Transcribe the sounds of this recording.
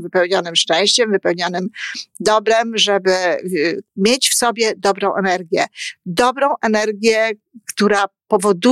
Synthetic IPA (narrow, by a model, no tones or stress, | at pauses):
vɘpɛwɲɔnɘmʂt͡ʂɛ̃w̃ɕt͡ɕɛmvɘpɛwɲɔnɘmd̪ɔbɾɛmʐɛbɘ | mʲjet͡ɕfsɔbʲjɛd̪ɔbɾɔ̃w̃ʔɛnɛɾɡʲjɛd̪ɔbɾɔ̃w̃ʔɛnɛɾɡʲjɛ | kt̪uɾapɔvɔd̪u